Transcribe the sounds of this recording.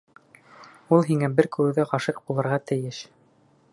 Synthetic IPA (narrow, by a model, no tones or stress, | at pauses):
ulˠɦiŋæbɘɾkʉ̆wɘ̆ðæqɑʃɤq̚bulˠɤ̆ɾʁɑt̪ɘ̆jɘʃ